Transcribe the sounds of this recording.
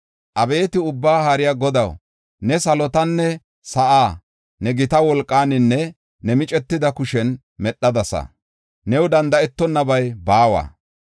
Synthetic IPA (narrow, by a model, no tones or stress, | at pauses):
ʔɐbe̞ːt̪ɪʊbːaːhaːɾɪjaɡɔd̪ɐw | nɛsɐlɔt̪ɐnːɛ | sɐʔaː | nɛɡɪt̪ɐwɔlkʼːaːnɪnːɛ | nɛmɪt͡ʃʼɛt̪ːɪd̪ɐkʊʃɛn | mɛɗːɐd̪ɐsɐ̰ | nɛwd̪ɐnd̪ɐɛt̪ːɔnːɐbɐjbaːwa̰ː